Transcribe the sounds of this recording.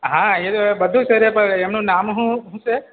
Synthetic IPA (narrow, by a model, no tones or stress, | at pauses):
ɦãet̪obəd̪ʱũt͡ʃʰeɾepəɾemnũnamɦũɦũt͡ʃe